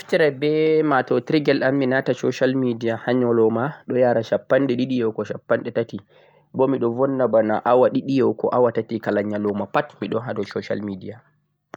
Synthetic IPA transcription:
iftiɾabɛmatɔtɾiɡɛlamːinatasɔʃalmidijahaɲɔlɔmaɗɔjaːɾaʃapːanɗɛɗiɗijɛwkɔʃapːanɗɛtati | bɔmiɗɔvɔnːabanaʔawaɗiɗijɛwkɔ̰ʔawatatikalaɲːalɔmapatmiɗɔnɦadɔsɔʃa̰lmidija

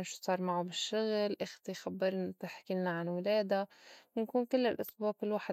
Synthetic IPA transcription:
nʃu̥sˤɑːɾˤmaʕubɪʃːʊɣlʔɪxt̪ijxabːɪɾˤnt̪ɪħkɪlnaʕanwɪleːd̪awɪnkuːnkɪlːɪlʔɑsˤbɑːbɪlwaːħɪ

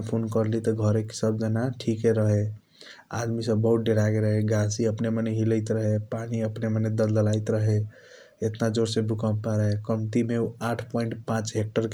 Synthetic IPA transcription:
pʰonkəɾlit̪ɔɡʱəɾeksəb̚d͡ʒənaʈʰikeɾəɦe | a̰d̪misəbːəɦut̪̚ɖeɾakeɾəɦeɡasiəpneməneɦiləjt̪ɾəɦepaniəpneməned̪əld̪əlajt̪ɾəɦe | et̪nad͡ʒoɾsẽbʱukəbpaɾəɦekəmt̪imeuaʈʰpɔiɳʈpãt͡ʃɦek̚ʈəɾk

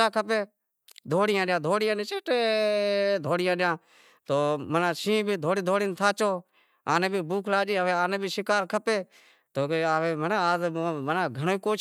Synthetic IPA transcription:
aːkʰəpeː | d̪ʱoːɽɪjãːɗjãːd̪ʱoːɽɪjãːnẽːt͡ʃeʈː | d̪ʱoːɽɪjãːɗɪjãː | t̪oːmənãːʃĩːbʱiːd̪ʱoːɽiːd̪ʱoːɽɪːnt̪ʰaːt͡ʃoː | aːnẽːbʱiːbuːkʰlaːd͡ʒiːəʋeːaːnẽːbʱiːsɪkaːɾkʰəpeː | t̪oːkːʋeːmənaːzmənãːɡʱəɳoːiːkoːt͡ʃ

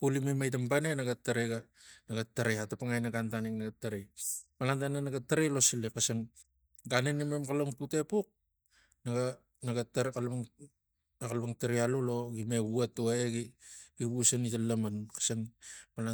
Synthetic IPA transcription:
pulimemajt̬ampanenaɡatːaɾeɡa | naɡatːaɾeatapaŋajnaɡantaniŋnaɡatːaɾemalantanenaɡatːaɾelo̞silekasan | ɡanenememkaloŋpute̞puk̚ | naɡa | naɡataɾkala | akalpaŋtaɾealolo̞ɡimeɡuatoaeɡiɡiβusanitalamankḁsaŋmala

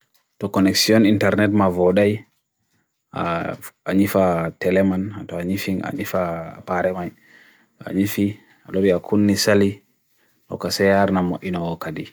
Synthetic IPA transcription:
tɔkɔnɛksiɔnintɛɾnɛtmavɔɗaj | a̰aɲifatɛlɛmanatɔaɲifiŋa̰ɲifapaɾɛmaj | tɔa̰ɲifi | aloɾiakʰunːisali | tɔ̰kasɛjaɾnamoʔinawɔkadi

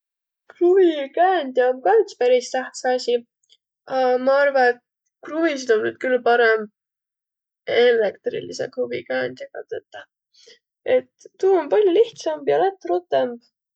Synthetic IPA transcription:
kruvikæːnd̪jɑomkɑjt̪spæɾist̪æht̪seɑsʲi | ɑmɑɑrvɑet̪ | kruvisid̪̥o̞nːyd̪̥̚kylpɑɾem | elekt̪rḭlisekruvḭkæːnʲd̪̥ʲjɑɡɑ̰t̪et̪ːˑɑ | e̞t̪ːuːonpɑlʲjoliht̪sɑmbjɑlæt̪ːˑɾut̪ːemb̥

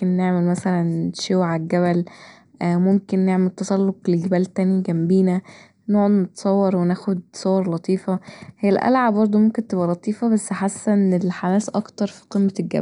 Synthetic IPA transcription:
enːeʕmelmæsælænʃowʕalɡæβælː | momkenːeʕmelt̪ːɑsˤɑlːoqleɡebæːlt̪æːniɡæmbiːnæ | noːʕnet̪sˤɑwːɑɾˤwenæːxod̪̚sˤowɑɾˤlɑt̪ˤiːfɑhejːælʔæ̰lʕabɑɾˤd̪ˤomomkent̪ebʔælɑt̪ˤiːfɑbæsːħasːænelħamæːsʔɑkt̪ɑɾˤfi̥qemːeɡæ̰b

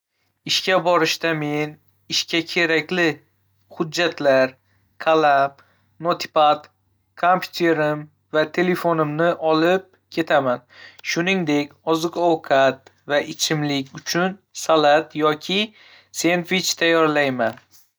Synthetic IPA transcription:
ɪʃkʲabɒɾɪʃt̪ame̞n | ɪʃkʲʰakʲʰe̞ɾakʲlɪ | hʊd͡ʒːat̪ʰlaɾ | kʰalˠap | not̪ʰɪ̥pat̪ | kʰompʲʰu̥t̪ʰe̞ɾɪm | vat̪ʰe̞le̞fonɪmnɪʔɒlˠɪp̚kʲʰe̞t̪ʰamanʃʊnɪŋd̪e̞kʲɒzɨqɒwqʰat̪ | vaʔɪt͡ʃʰɪmlɪkʲʊt͡ʃʰʊnsalˠat̪jɒkʲʰɪ | se̞nt̪vɪt͡ʃt̪ʰajːɒɾlajman

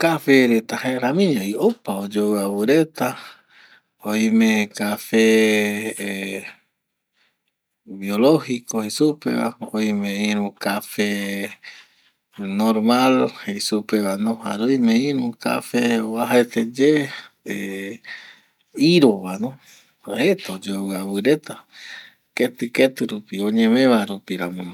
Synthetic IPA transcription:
kafeɾet̪aheɾamĩɲoiopaod͡ʒoaβuɾet̪a | ojmẽkafe | biolohikohesupḛβa̰ojmẽiɾũkafe | noɾmalhesupeβanõhaɾoimẽĩɾũka̰feβaɦaet̪ed͡ʒe | e | iɾoβanõ | aet̪od͡ʒowɨaβɨɾet̪a | ket̪ɨket̪ɨɾupioɲẽmẽβaɾupiɾamõ

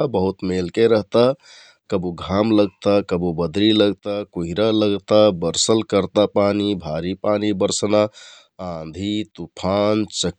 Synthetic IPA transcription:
bəɦut̪melkeɾəɦt̪a | kəbuɡʱamləɡt̪akəbubəd̪ʱɾiləɡt̪akuɦiɾaləɡt̪abəɾsəlkəɾt̪apanibʱaɾipanibəɾsna | ãnd̪ʱit̪upʰant͡ʃə

